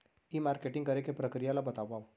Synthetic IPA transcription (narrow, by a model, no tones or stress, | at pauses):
imaɾkeʈĩŋɡəɾekepɾəkɾijalabət̪aʋaʋ